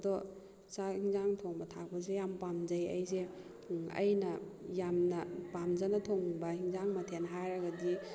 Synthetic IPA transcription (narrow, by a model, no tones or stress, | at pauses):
dɔ | sahiŋzaŋtʰoŋbɐtʰak̚pɐs̬ejampamzɐjɐ̰jse | ɐ̰jnɐjamnɐpamzanɐtʰoŋbɐhiŋzaŋmɐtʰenɦajɾɐɡadi